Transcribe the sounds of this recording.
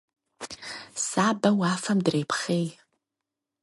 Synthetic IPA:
saːbawaːfamdrejpʰχej

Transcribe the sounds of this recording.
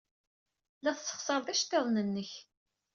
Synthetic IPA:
læθsːə̥χsəɾˤðæʃt̪eðˤnənːəç

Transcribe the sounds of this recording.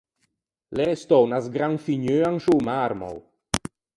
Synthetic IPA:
leɾest̪ɔwnazɡɾaŋfiɲøːaŋʃuwmaɾmɔ̰w

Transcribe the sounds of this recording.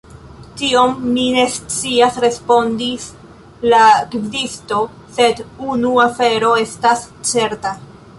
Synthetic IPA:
tiomːine̞st͡siasɾe̞spo̞ndis | laekidisto̞ | se̞dunuafe̞ɾo̞e̞stas | t͡se̞ɾta

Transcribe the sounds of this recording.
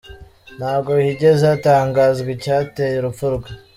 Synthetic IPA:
n̥haːbɡo̞hiɟe̞zaːtaːŋɡaːzɡwecaːtejeɾupfuɾɡwe

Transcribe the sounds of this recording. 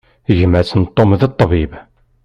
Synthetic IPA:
ʝəmæsənt̪ˤːomðət̪ˤːbib

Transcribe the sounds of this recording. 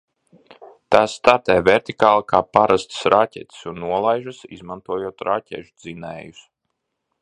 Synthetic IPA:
t̪aːsːt̪aɾt̪ɛjvʲɛɾt̪ikaːlˠakaːpaɾast̪sɾacʲɛ̰t̪ʲi̥sunːuɔlˠajʒasḭzmant̪uɔjuɔt̪ɾʔaːcʲɛ̰ʒud̪zinɛ̰ːjus

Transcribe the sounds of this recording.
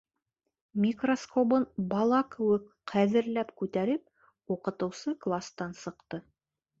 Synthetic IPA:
mʲikroskobɤnbɑlˠɑkɘ̆wɘk | qʰæðɘ̆ɾlæpkʉt̪æɾɘp̚ | uqɤ̆t̪ɤ̆wsɤklˠast̪ɑnsɤ̆qt̪ɤ

